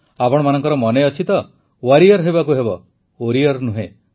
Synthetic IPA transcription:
apɔɽ̃ɔmanɔŋkɔɾɔmɔneɔt͡ʃʰit̪ɔ | waɾiɔɾɦebakuɦebɔ | oɾiɔɾnuɦẽ

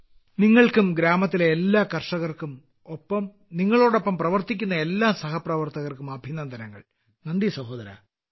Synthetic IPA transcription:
niŋːɐɭkumɡɾaːmɐt̪ːileːlːaːkɐrʂɐɣɐrkum | opːɐm | niŋːɐɭo̞ːɽo̞pːɐmprɐʋɐrt̪ik̬ʲːunːɐe̞lːaːsɐhɐprɐʋɐrt̪ɐɣɐrkumɐbʱinɐnd̪ʱɐɾɐŋːɐ̰ɭ | nɐɳɖ̪isɐho̞ːd̪ɐɾɐ̰

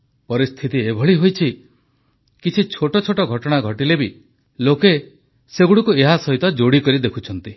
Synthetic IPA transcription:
pɔɾist̪ʰit̪iebʱɔɭiɦojt͡ʃʰi | kit͡ʃʰit͡ʃʰoʈɔt͡ʃʰoʈɔɡʱɔʈɔɽ̃aɡʱɔʈilebi | loke | seɡuɽɔkueɦasɔɦit̪ɔd͡ʒoɽikɔɾid̪ekʰut͡ʃʰɔnt̪i

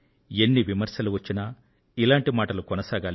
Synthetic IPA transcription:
enːiʋimɐɾʃjɐluʋɐt͡ʃːinɐ | ilaːɳʈimaːʈɐlukɔnɐsaːɡaːl

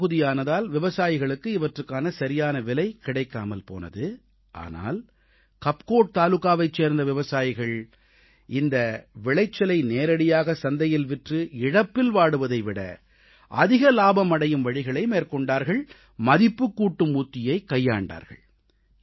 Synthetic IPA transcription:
ɣɯðɪjaːnɐðaːlʋɪʋɐsaːjɪɣɐɭɯkːɯɪʋɐʈrɯkːaːnɐsɐɾɪjaːnɐʋɪlɐɪkɪɽɐɪkːa̰ːmɐlpo̰ːnɐ̰ðɯ | ʔa̰ːna̰ːl | kɐp̚koːʈ̚t̪aːlɯkːaːʋɐɪt͡ʃːeːɾnd̪ɐʋɪʋɐsaːjɪɣɐɭ | ɪnd̪ɐʋɪɭɐɪt͡ʃːɐlɐɪneːɾɐɽɪjaːɣɐsɐnd̪ɐjɪlʋɪʈrɯɪɽɐpːɪlʋaːɽɯʋɐðɐɪʋɪɽɐ̰ | ʔɐðɪɣɐlaːbɐmɐɽɐjɯmʋɐɻɪɣɐɭɐɪmeːɾkɔɳɖaːɾɣɐɭ | mɐðɪpːɯkːuːʈːɯmuːt̪ːɪjɐɪkɐjːa̰ːɳɖa̰ːɾɣɐ̰ɭ

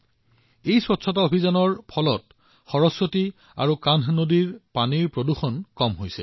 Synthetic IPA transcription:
ejswɔtsʰɔtɔobʱizanɔɹpʰɔlɔt̚ | xɔɹɔsːoti | a̰ɹukannodiɹpaniɹpɹoduxɔnkɔmɦojsɛ̰

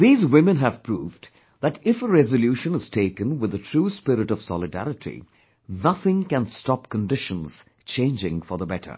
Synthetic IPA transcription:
ðiːzwɪmə̃nɦæv̥pʰɹuːv | ðætɪfəɹɛzəljuːʃə̃nɨz̥tʰeɪkə̃nwɨðətʰɾuːspɪɾɨʈɔv̥sɑlɨdæ̰ɾɨtʰḭ | nʌθɪ̃ŋkæ̃nstɑp̚kə̃ndɪʃə̃nz̥ | t͡ʃʰẽɪ̃nd͡ʒɪ̃ŋfɔ˞ðəbɛtʰə̰˞

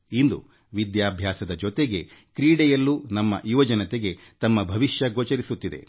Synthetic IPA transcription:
ind̪ṵ | ʋid̪jaːbʱjaːsɐd̪ɐd͡ʒot̪eɡe̞ | kɾiːɽɛjɐlːunɐmːɐ̰ʔiʋɐd͡ʒɐnɐt̪eɡe̞ | t̪ɐmːɐbʱɐʋiʃjɐɡoːt͡ʃɐɾisut̪ːid̪e̞̰

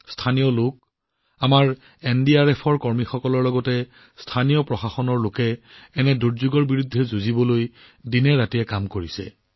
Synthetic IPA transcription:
stʰanijɔlok̚ | amaɹ | ɛndiaɹɛpʰɔɹkɔɹmixɔkɔlɔɹlɔɡɔtɛ | stʰanijɔpɹɔxaxɔnɔɹlokɛːnɛduɹzuɡɔɹbiɹudʱːɛzuzibɔloj | dinɛɹatijɛkamkoɹisɛ̰

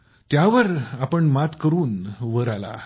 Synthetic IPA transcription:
t̪jaʋəɾapəɳmat̪kəɾuːnʋəɾala̰

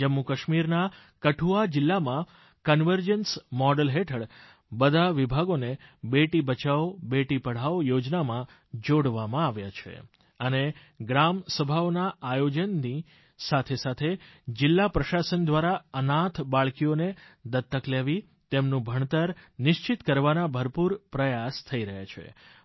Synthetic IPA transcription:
d͡ʒəmːukəʃmiɾna | kəʈʰuad͡ʒɪlːamã | kənʋəɾd͡ʒənsmɔɖəlɦeʈʰəɽ | bəd̪ʱaʋibʱaɡonebeʈibət͡ʃaobeʈipəɽ̤aojod͡ʒnamã | d͡ʒoɽʋamãaʋjat͡ʃʰḛ | əne | ɡɾamsəbʱaonaajod͡ʒənːi | sat̪ʰesat̪ʰed͡ʒɪlːapɾəʃasənd̪ʋaɾaənat̪ʰbaɭkijoned̪ət̪ːəkleʋi | t̪emnũbʱəɳ̃t̪əɾnɪʃt͡ʃɪt̪kəɾʋanabʱəɾpuɾpɾəjast̪ʰəiɾəɦjat͡ʃʰḛ

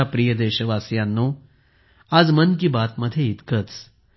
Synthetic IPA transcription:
apɾijəd̪eɕəʋasjãnːo | ad͡zmənk̬ibat̪məd̪ʱːjeit̪kət͡s

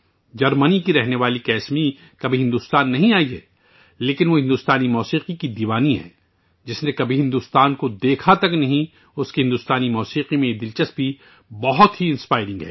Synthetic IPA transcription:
d͡ʒɐɾmənikiɾɛɦneʋaːlikɛːsmi | kɐbʱiɦɪ̃nd̪uːst̪aːnːɐɦĩaːiɦɛ̰ː | leːkɪnʋoɦɪ̃nd̪uːst̪aːnimɔːsiːqikid̪iːʋaːniɦɛ̰̃ː | d͡ʒɪsnẽkɐbʱiɦɪ̃nd̪uːst̪aːnkod̪eːkʰat̪ɐknɐɦĩ | ʊskiɦɪ̃nd̪uːst̪aːnimɔːsiːqimẽjed̪ɪlt͡ʃəst̪̚bʱi | bɐɦʊt̪ɦiɪ̃nspaːɪɾɪ̃ŋɡɦɛ̰ː

